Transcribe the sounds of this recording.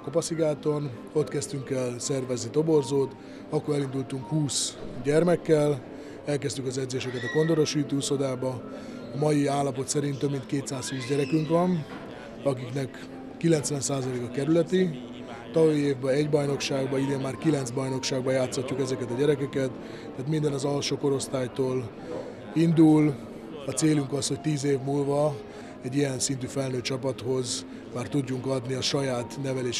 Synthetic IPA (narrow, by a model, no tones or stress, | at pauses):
kopɒsiɡaːt̪o̞n | o̞t̪kɛst̪yŋkɛlsɛrvɛznit̪o̞bo̞rzoːt̪ | ɒkːoɛlind̪ult̪uŋkhuːsɟɛrmɛkːɛl | ɛlkɛst̪ykɒzɛd̪zeːʃɛkɛt̪ɒko̞nd̪o̞ɾo̞ʃiːt̪uːso̞d̪aːbɒː | mɒjiaːlːɒpo̞t̪sɛɾint̪ːø̞bmint̪keːt̪saːsfyːzɟɛɾɛkyŋkʋɒn | ɒkiknɛkː | ilɛnt̪sʋɛnsaːzɒleːkɒkɛɾylɛt̪i | t̪ɒvoieːvbɛɛɟbɒjno̞kʃaːɡbɒid̪eːmmaːrkilɛnzbɒjno̞kʃaːɡ̚bɒjaːt̪socːukɛzɛkɛt̪ɒɟɛɾɛkɛkɛt̪ː | ɛːt̪mind̪ɛnɒzɒlʃoːko̞ɾo̞st̪aːjt̪oːl | ind̪ul | ɒt̪seːlyŋkɒsho̞c̚t̪iːzeːvmuːlvɒ | ɛɟːijɛnsint̪yːfɛlnøːt͡ʃɒpɒt̪ho̞z | maːrt̪uɟːuŋkɒd̪niɒʃɒjaːt̪nɛvɛleːʃ